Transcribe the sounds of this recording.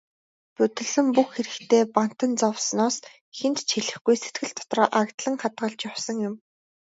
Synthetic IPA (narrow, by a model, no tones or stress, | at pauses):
pɵt̪ɘ̆ɮɘ̆mpuxxeɾɘ̆kt̪ʰeːpan̥t̪ə̆nt͡sɔwsnɔːs | xent̪t͡ɕʰiɮɘ̆xɡujset̪̚ɡɘ̆ɮt̪ʰːɔ̥t̪rɔːʔakt̪ɮə̆ŋχat̪ɢə̆ɮt͡ɕjawsɞ̆ŋjʊm